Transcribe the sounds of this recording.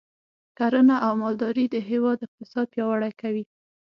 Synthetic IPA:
kaɾənaʔawmɑld̪ɑɾid̪əɦɪwɑd̪ɪq̚t̪ɪsɑd̪̚pjɑwaɽajkawi

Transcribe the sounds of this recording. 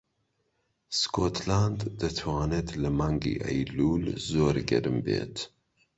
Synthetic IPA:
skʰot̪land̪d̪ɨt̪ʰwɑːneːt̪ʰlɨmaːŋɡḭːʔɛ̰jluːlzoːɾɡɛ̰ɾɨmbḛːt̪

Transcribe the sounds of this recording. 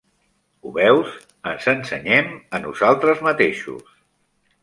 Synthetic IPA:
uβɛwz | ənzənsə̰ɲɛmənṵzalˠt̪ɾəzmət̪eʃṵs

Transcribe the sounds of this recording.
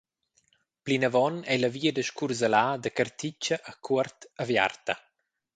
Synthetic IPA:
plinəvɔnɛləviːəd̪əʃkurzəlaːd̪əkərt̪it͡ʃəʔːkʰuərt̪əvja̰rt̪ɐ

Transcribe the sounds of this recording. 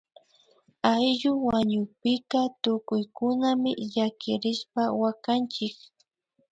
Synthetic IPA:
ajʎʊwaɲʊpɪkat̪ʊkʊjkʊnamɪʎakɪɾɪʃpawakant͡ʃɪk

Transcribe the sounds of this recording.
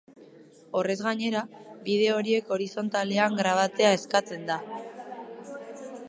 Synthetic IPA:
o̞re̞zɣaɲe̞ɾaβið̞e̞o̞ɾie̞ko̞ɾiso̞nt̪ale̞aŋɡɾaβ̞at͡se̞ae̞skat͡se̞nd̪a

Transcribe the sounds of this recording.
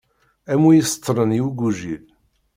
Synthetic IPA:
æmujisə̥t̪ʰˤːɾəniwuɡuʒil

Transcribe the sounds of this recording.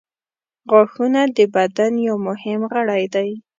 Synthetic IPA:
ɣaxunad̪əbad̪anjawmʊhɪmɣəɽajd̪aj

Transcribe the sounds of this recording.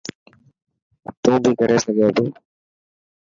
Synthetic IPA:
t̪oːbʱiːkəɾeːsəɡoːt̪oː

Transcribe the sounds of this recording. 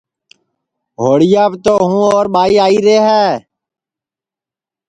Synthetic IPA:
ɦoːɽɪjaːbt̪oːɦũːoːɾɓaːiːaːiːɾeːɦɛː

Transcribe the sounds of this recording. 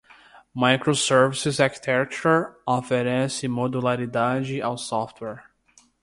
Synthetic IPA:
majkɾosɛɾvisɪzaɾki̥t̪ʰɛkt͡ʃuofeɾɛsɪmod̪ulaɾid̪ad͡ʒɪʔawsɔft̪wɛɾ

